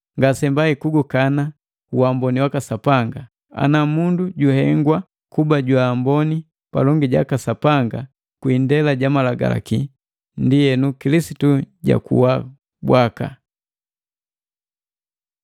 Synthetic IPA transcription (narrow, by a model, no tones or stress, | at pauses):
ŋɡasɛmbaikuɡukana | uambɔniwakasapaŋɡa | a̰namunduɟuhɛŋɡwa | kubaɟwaːmbɔni | pa̰lɔŋɡiɟa̰kasapaŋɡa | kwindɛlaɟamalaɡa̰la̰ki | ndijɛnukilisituɟa̰kṵwa | bwaka̰